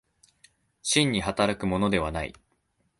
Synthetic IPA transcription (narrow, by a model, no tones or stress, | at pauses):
ɕĩɲ̟ːihat̪aɾakɯ̟mo̞no̞d̪e̞β̞anaḭ